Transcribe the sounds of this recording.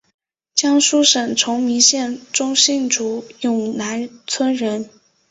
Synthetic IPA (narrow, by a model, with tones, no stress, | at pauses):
t͡ɕjɑ˥ŋʂu˥ʂə˨˩ŋʈ͡ʂʰʊ˧˥ŋmi˧˥ɕjɛ˥˩nʈ͡ʂʊ˥ŋɕi˥˩nʈ͡ʂu˧˥jʊ˨˩ŋna˧˥nt͡sʰwə˥nɻə˧˥n